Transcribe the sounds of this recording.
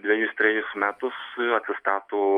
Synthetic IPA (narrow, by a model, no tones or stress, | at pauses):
d̪ʲʋʲɛjusʲt̪ʲɾʲɛjusmʲæːt̪ʊsɐt̪sʲɪst̪ɑːt̪ʊ